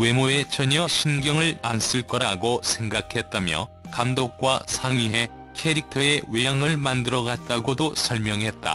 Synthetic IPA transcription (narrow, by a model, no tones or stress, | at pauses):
we̞mue̞t͡ɕʌɲʌɕʰinɡjʌŋɯɭans͈ɯɭk͈ʌɾaɡosʰe̞ŋɡakʰe̞t̚t͈amjʌ̰ | kamdok̚k͈wasʰaŋɥiɦe̞ | kʰeɾik̚tʰʌe̞wejaŋɯɭmandɯɾʌɡat̚t͈aɡodosʰʌɭmjʌŋɦe̞t̚t͈a̰